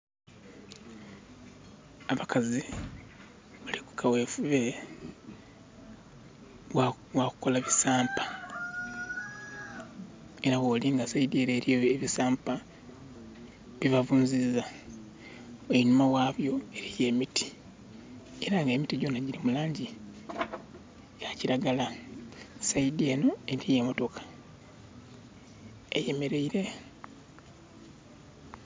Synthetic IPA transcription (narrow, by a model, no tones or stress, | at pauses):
aβakʰazi | βaliku̥kʰaweːfuβe̞ | waku̥ko̞laβisaːmpḁ | eɾawoːliŋɡasaideːɾeːɾjoβisaːmpa | βiβavuːɲziza | oinumawaːβjo̞e̞ɾije̞ːmitʰi̥ | eɾaŋɡe̞mitiɟo̞naɟiɾimulaːɲɟi | jaciɾaɡala | saidie̞ːno̞e̞ɾije̞moto̞kʰḁ | eje̞me̞ɾe̞iɾe̞